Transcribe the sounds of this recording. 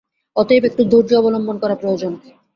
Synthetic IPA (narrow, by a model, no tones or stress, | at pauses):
ɔt̪epek̚ʈud̪ʱuɾd͡ʑiɔbolombonkɔɾapɾood͡ʑon